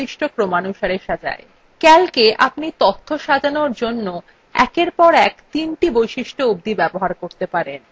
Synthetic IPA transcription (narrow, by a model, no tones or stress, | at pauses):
iʃʈokɾomanuʃaɾeʃad͡ʑa̰e | kɛlkeʔapnit̪ot̪ʰːoʃad͡ʑanoɾd͡ʑonːo | ɛ̰keɾpɔɾɛkt̪inʈibojʃiʃʈoubd̪ibɛboɦaɾkoɾt̪epaɾen